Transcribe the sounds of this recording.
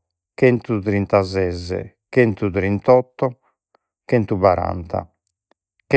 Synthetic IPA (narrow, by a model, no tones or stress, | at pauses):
kɛnt̪ut̪ɾint̪azɛzːɛ̰ | kɛnt̪uðɾint̪ɔt̪ːɔ | kɛnt̪uβaɾa̰nt̪a̰ | k